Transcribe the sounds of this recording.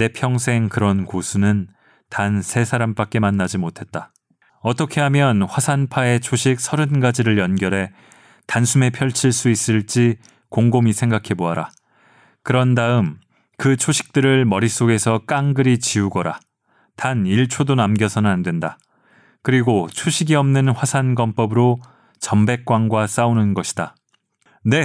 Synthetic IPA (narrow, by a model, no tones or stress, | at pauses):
ne̞pʰjʌŋsʰe̞ŋkɯɾʌnkosʰunɯn | tansʰe̞sʰaɾamp͈ak͈̚e̞manːad͡ʑimotʰe̞t̚t͈a | ʌt͈ʌkʰe̞ɦamjʌnɸwasʰanpʰae̞t͡ɕʰoɕʰik̚sʰʌɾɯnɡad͡ʑiɾɯɭjʌnɡjʌɾɦe̞ | tansʰume̞pʰjʌɭt͡ɕʰiɭs͈uis͈ɯɭt͡ɕ͈i | koŋɡomisʰe̞ŋɡakʰe̞boɦaɾa | kɯɾʌndaɯm | kɯt͡ɕʰoɕʰi̥k̚t͈ɯɾɯɭmʌɾis͈oɡe̞sʰʌk͈aŋɡɯɾit͡ɕiuɡʌɾa | taniɭt͡ɕʰodonamɡjʌsʰʌnɯnandwe̞nda | kɯɾiɡot͡ɕʰoɕʰiɡiʌmnɯnɸwasʰanɡʌmp͈ʌbɯɾo | t͡ɕʌmbe̞k̚k͈waŋɡwas͈aunɯnɡʌɕʰi̥d̥a | ne̞